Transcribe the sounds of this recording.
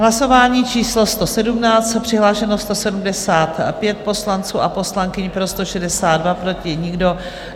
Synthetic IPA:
ɦlaso̞vaːɲiːt͡ʃiːslo̞st̪o̞sɛdumnaːt͡st̪pr̝̥ɪɦlaːʃɛnost̪o̞sɛdumdɛsaːt̪pjɛt̪̚po̞slant͡suːʔapo̞slaŋkɪɲpɾo̞st̪o̞ʃɛdɛsaːd̪dvapɾo̞cɪɲɪɡdo̞

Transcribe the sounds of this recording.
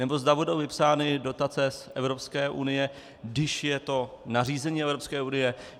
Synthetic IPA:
nɛbo̞zd̪abudo̞wvɪpsaːnɪdo̞t̪at͡sɛsʔɛvɾo̞pskɛːʔṵnɪjɛ | dɪʃjɛt̪o̞ | nar̝iːzɛɲiːɛvɾopskɛːʔunɪjɛ

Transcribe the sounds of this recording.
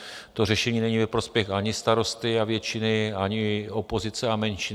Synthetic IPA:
t̪o̞rɛʃɛɲiːnɛɲiːvɛpɾo̞spjɛxʔaɲɪst̪aɾo̞st̪ɪavjɛt͡ʃɪnɪaɲɪopo̞zɪt͡sɛamɛnʃɪ

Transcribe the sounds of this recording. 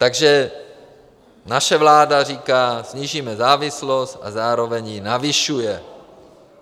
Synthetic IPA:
t̪aɡʒɛ | naʃɛvlaːdar̝iːkaːsɲiːʒiːmɛzaːvɪslost̪ʔa̰zaːɾo̞vɛɲjɪnavɪʃujɛ

